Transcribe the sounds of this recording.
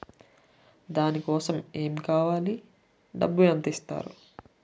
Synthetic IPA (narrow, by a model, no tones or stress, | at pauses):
d̪aːnikɔːsɐme̞ːmikaːʋaːli | ɖɐ̰bːuɐnd̪ist̪a̰ːɾu